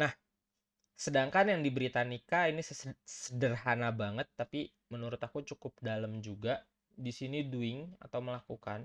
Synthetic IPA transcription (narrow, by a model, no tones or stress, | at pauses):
nah | sədaŋkanjaŋdibəɾit̪anikainissədərɦanabaŋət̪ːapi | mənuɾʊt̪akut͡ʃukʊp̚daləmd͡ʒuɡa | disiniduɪŋa̰t̪awməlakuka̰n